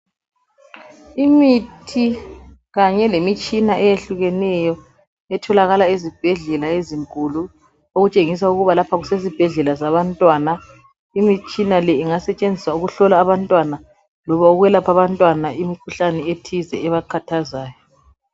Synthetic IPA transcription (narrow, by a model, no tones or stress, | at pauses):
imitʰi | ɣaɲɛlemit͡ʃʼinaʔɛjeɬuɣɛnɛjɔ | ɛtʰɔlaɣalaezib̥ʱɛɮɛlaeziŋkʼulu | oɣut͡ʃʼeŋis̬auɣuβalapʰaɣusezib̥ʱɛɮɛlazaβantʼwaːna | imit͡ʃʼinalɛiŋasɛt͡ʃʼend͡zʱiswauɣuɬɔlaːβantʼwana | lɔβauɣwɛlapʰaβantʼwanaʔimikʰuɬanɛetʰizɛ̰ːβaǃʰatʰazaːjɔ